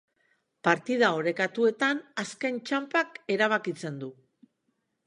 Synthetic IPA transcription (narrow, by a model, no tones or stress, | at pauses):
paɾt̪ið̞ao̞ɾe̞kat̪ue̞t̪anaske̞nt͡ʃampake̞ɾaβ̞akit͡se̞nd̪u